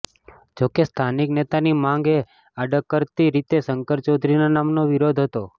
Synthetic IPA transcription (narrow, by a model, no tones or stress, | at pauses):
d͡ʒokest̪ʰaniknet̪animãŋɡe | aɖəkːəɾt̪iɾit̪esəŋkəɾt͡ʃod̪ʱɾinanamnoʋiɾod̪ʱɦət̪o